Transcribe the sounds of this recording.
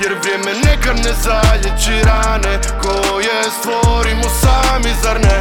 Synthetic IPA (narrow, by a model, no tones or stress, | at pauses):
jɛɾʋɾjemɛnɛkanɛzaʎɛd͡ʒiɾanɛ | kojɛ | st̪ʋoɾimosaːmizaɾnɛ